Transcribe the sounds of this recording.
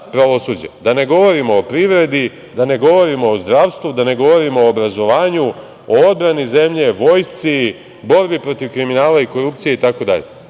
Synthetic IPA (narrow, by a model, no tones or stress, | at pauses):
pɾaʋo̞suːd͡ʑe̞̰d̪ane̞ɡo̞ʋo̞ɾimo̞opɾiʋɾe̞d̪i | d̪ane̞ɡo̞ʋo̞ɾimo̞ozd̪ɾaʋst̪ʋud̪ane̞ɡo̞ʋo̞ɾimooːbɾazo̞ʋaːɲu | ood̪̚bɾanize̞mʎe̞ʋo̞jst̪si | bo̞ɾbipɾo̞t̪iʋkɾiminaːlaiko̞ɾup̚t̪sije̞it̪ako̞d̪a̰ʎḛ